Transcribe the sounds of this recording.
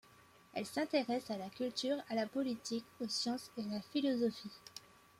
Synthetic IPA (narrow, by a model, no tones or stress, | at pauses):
ɛ̰lsɛ̃t̪eʁɛsalakʲylt̪yʁalapɔlit̪ikosjɑ̃sealafilɔzɔfi